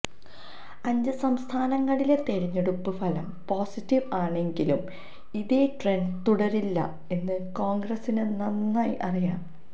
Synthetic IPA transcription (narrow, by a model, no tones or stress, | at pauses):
ɐɲd͡ʑɨsɐmst̪ʰaːnɐŋːɐɭile̞t̪e̞ɻiɲːeɽupːɨfɐlɐmpo̞ːsitːiʋaːɳe̞ŋɡilum | iðeʈreɳnɖt̪uɽɐɾilːɐ̰ | e̞nːɨko̞ːŋɡrɐsinɨnɐnːaːjʔɐrijaːm